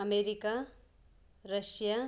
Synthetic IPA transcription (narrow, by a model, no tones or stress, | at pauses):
ʌmeɾika | rʌsja